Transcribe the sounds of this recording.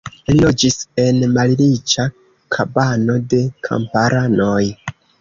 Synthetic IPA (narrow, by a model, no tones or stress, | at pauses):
lilo̞d͡ʒise̞nmalilit͡ʃa | kʰabano̞de̞kʰa̰mpaɾʔano̞j